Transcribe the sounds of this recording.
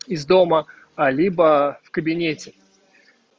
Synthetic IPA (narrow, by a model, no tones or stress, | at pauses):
ɪzd̪o̞mə | alʲibəfkəbʲɪnʲetʲɪ